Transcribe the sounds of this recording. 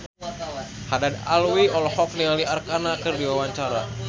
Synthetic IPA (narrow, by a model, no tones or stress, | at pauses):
hadadalwiɔlhɔknaliarkanakərdiwawaɲt͡ʃaɾa